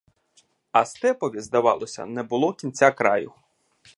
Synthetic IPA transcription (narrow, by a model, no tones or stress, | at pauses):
ɐst̪ɛpɔʋʲizd̪ɐʋɑ̰lˠɔsʲɐ̰nɛbʊlˠɔkʲint͡sʲakɾɑjʊ